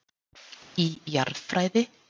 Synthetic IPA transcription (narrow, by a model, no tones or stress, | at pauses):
ijaɾfɾaːjðɪ